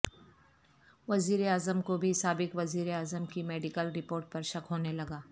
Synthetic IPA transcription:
ʋɐziːɾeaːzəmkobʱisaːbɪkʋɐziːɾeaːzəmkimɛːɖɪkəlɾɪpoːɾʈ̚pɐɾʃɐkɦoːnelɐɡaː

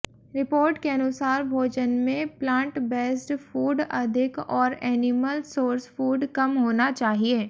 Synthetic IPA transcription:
ɾɪpoːɾʈkeɐnʊsaːɾbʱoːd͡ʒənmẽplãːɳʈbɛːsʈfuːɖɐd̪ʱɪkɔːɾɛːnɪməlsoːɾsfuːɖkɐmɦoːnat͡ʃaːɦieː

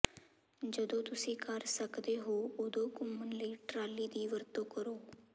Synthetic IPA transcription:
d͡ʒəd̪õːt̪ʊsĩːkəɾsəkd̪eːɦoːod̪õːkʊmːənləiːʈɾaːliːd̪iːʋəɾt̪õːkəɾoː

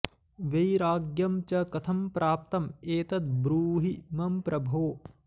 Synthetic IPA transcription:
ʋejɾaːɡjɐmt͡ʃɐkɐt̪ʰɐmpɾʔaːp̚t̪ɐmeːt̪ɐt̪̚bɾuːɦimɐmpɾɐbʱoː

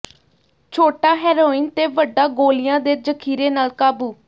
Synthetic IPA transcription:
t͡ʃʰoːʈaːɦɛːɾoːiːnt̪eːʋəɖaːɡoːlɪjãːd̪eːd͡ʒəkʰiːɾeːnaːlkaːbuː

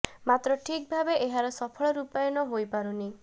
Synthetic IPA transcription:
mat̪ɾɔʈʰik̚bʱabeʔeɦaɾɔsɔpʰɔɭɔɾupajɔnɔɦojpaɾuni

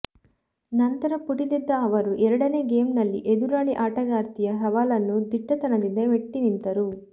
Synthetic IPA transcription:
nɐnt̪ɐɾɐpuʈid̪id̪ːɐːʋɐɾuʔɛɾɐɽɐneːɡeːmnɐlːḭʔed̪uɾaːɽiʔaːʈɐɡaːɾt̪ijɐɦɐʋaːlɐnːud̪iʈːɐt̪ɐnɐd̪ind̪ɐʋeʈːinint̪ɐɾu

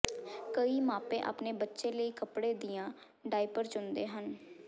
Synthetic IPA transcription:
kəiːmãːpẽːʔa̰ːpneːbətːʃẽːləiːkəpɽẽːd̪ɪjãː | ɖaːipəɾt͡ʃʊnd̪eːɦən

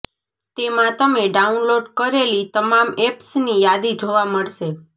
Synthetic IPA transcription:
t̪emãt̪əmeɖaunloɖkəɾelit̪əmamepsnijad̪id͡ʒoʋaməɭʃe

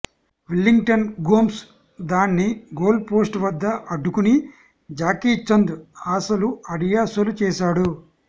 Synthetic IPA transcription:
ʋilːiŋɡʈɐnɡoːms | d̪aːnːiɡoːlpoːsʈʋɐd̪ːɐʔɐɖːukuni | d͡ʒaːkiːt͡ʃːɐnd̪aːsɐluɐɽijaːsɐlut͡ʃɛːʃaːɽu

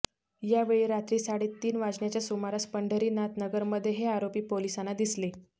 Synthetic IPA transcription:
jaʋeɭiːɾat̪ɾiːsaɽiːt̪ːiːnʋad͡zɳjat͡ɕjasumaɾaspəɳɖʱəɾiːnat̪nəɡəɾməd̪ʱːjeɦeaɾopiːpolisanad̪isle

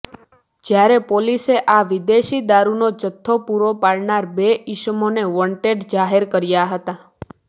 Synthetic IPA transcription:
d͡ʒjaɾepoliseʔaʋid̪eʃid̪aɾunod͡ʒət̪ʰːopuɾopaɭnaɾbeɪʃmoneʋɔɳʈeɖd͡ʒaɦeɾkəɾjaɦət̪a

